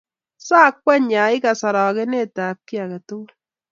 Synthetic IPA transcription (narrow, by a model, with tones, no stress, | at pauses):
saː˦k̚wɛ˦ɲa˨i˦ka˨sa˨ɾɔː˨ke˦ne˦taː˨p̚ki˦a˨ka˨to˦l